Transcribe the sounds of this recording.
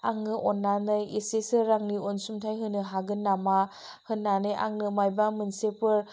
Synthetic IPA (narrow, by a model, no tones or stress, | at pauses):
aŋnɯʔɔnːanɯjesesɯɾaŋniɔnsumtʰajɦɯnɯɦaɡɯnːama | hɯnːanɯja̰ŋnɯmajbamɯnsepʰɯɾ